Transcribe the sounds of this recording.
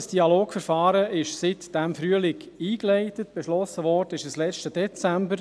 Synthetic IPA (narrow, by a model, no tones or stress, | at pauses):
sd̥iɑloːkfəɾfɑːɾəɪʃsɪtd̥ɛmfɾyəlɪkiːklɛɪtətb̥eʃlɔsəvɔːrdəɪʃəslɛt͡ʃtəd̥ɛt͡sæmbəɾ